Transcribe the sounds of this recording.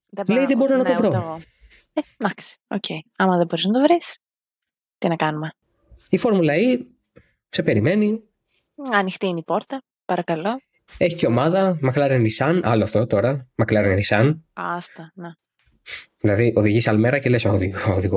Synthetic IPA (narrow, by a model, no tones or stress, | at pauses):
ðelejiðebo̞ɾonɐtkovɾoɣo | ed̪ɐksi̥o̰cʰejɐmɐðeboɾiznɐt̪o̞vɾis | t̪inɐkɐnume̞ | ifo̞ɾmulɐi | se̞pe̞ɾime̞ni | ɐnixt̪iinipo̞ɾt̪ɐ | pɐɾɐkɐlo̞ | e̞çi̥ceo̞mɐðɐmɐklɐɾenisɐnɐ̰loɐft̪o̞t̪o̞ɾɐmɐklɐɾennisɐnɐst̪ɐne | ðilɐðiʔo̞ðiʝisɐlme̞ɾɐcele̞sooðioðiɣo